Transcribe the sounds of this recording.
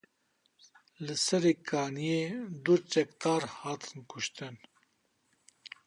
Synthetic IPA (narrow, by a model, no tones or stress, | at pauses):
lɨsɛɾeːkʰaːnijeːd̪ut͡ʃɛkt̪ɑːɾhɑːt̪ʰɨ̥nkʰʊʃt̪ɨn